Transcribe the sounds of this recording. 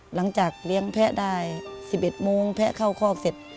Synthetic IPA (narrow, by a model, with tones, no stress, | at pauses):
la˨˩˦ŋt͡ɕaː˨˩k̚li˧˥əŋpʰɛ˦˧˥ʔdaː˧˩jsiː˨˩p̚ʔe˨˩t̪̚moː˧ŋpʰɛ˦˧˥ʔkʰa˥˩wkʰɔː˧˩˨kse˨˩t̪̚